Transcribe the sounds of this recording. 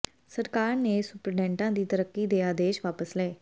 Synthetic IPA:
səɾkaːɾneːsʊpɾəɖɛ̃ːɳʈãːd̪iːt̪əɾəkːiːd̪eːaːd̪eːʃʋaːpəslɛː

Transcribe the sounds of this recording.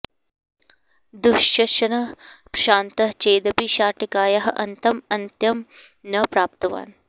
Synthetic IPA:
d̪uʃjɐʃɐnɐpʃaːnt̪ɐɦt͡ʃeːd̪ɐpiʃaːʈikaːjɐɦɐʔɐnt̪ɐmɐnt̪jɐm | nɐpɾaːp̚t̪ɐʋa̰ːn

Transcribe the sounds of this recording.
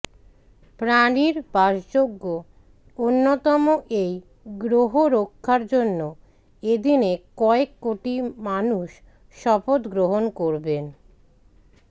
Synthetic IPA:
pɾaniɾbaʃd͡ʑoɡːo | onːot̪ɔmoʔej | ɡɾoɦoɾokʰːaɾd͡ʑonːo | ed̪inekɔekːoʈimanuʃ | ʃɔpot̪ɡɾoɦonkoɾben

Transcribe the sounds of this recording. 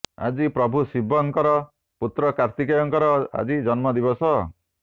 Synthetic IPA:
a̰d͡ʒipɾɔbʱusibʱɔŋkɔɾɔ | put̪ɾɔkaɾt̪ikɔjɔŋkɔɾɔa̰d͡ʒid͡ʒɔnmɔd̪ibɔsɔ

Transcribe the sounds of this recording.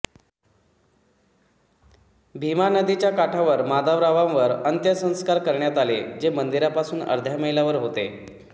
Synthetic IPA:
bʱimanəd̪it͡ɕjakaʈʰaʋəɾmad̪aʋɾaʋãmʋəɾənt̪jəsə̃ñskaɾkəɾɳjat̪aled͡ʑemənd̪iɾapasuːnə̰ɾd̪ʱjaməɦilaʋəɾɦot̪e

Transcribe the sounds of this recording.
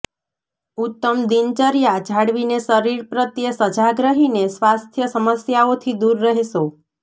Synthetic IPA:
ut̪ːəmd̪int͡ʃəɾjad͡ʒʱaɽʋinesəɾiɾpɾət̪jəsəd͡ʒaɡɾəɦinesʋast̪ʰjəsəməsjaot̪ʰid̪uɾːəɦeʃo

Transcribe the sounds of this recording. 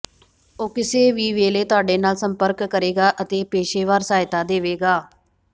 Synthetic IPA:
oːkɪseːʋiːʋeːleːt̪ʊaːɖeːnaːlsəmpəɾkːəɾeːɡaːʔət̪eːpeːʃeːʋaːɾsaːɪt̪aːd̪eːʋeːɡaː

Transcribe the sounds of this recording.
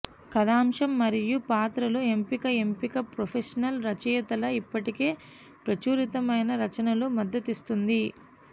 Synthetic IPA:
kɐd̪aːmʂɐmːɐɾijupaːt̪ɾɐlue̞mpikɐe̞mpikɐpɾopʰeʂɐnɐlɾɐt͡ʃijɐt̪ɐlɐipːɐʈike̞ː | pɾɐt͡ʃuːɾit̪ɐmɐjnɐɾɐt͡ʃɐnɐlumɐd̪ːɐt̪ist̪und̪i

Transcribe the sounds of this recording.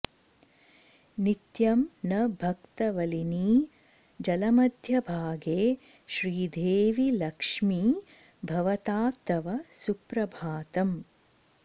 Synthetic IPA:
nit̪jɐmnɐbʱɐkt̪ɐʋɐliniː | d͡ʒɐlɐmɐd̪ʱjɐbʱaːɡeː | ʃɾiːd̪ʱeːʋilɐkʂmi | bʱɐʋɐt̪aːt̪ːɐʋɐsupɾɐbʱaːt̪ɐm

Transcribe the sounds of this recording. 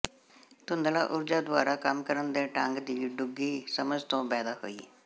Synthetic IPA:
t̪ʊnd̪əlaːʔʊɾd͡ʒaːd̪ʊaːɾaːkəmkəɾənd̪eːʈaŋɡd̪iːɖʊɡːiːsəməd͡ʒt̪õːpɛːd̪aːho̰ːḭː

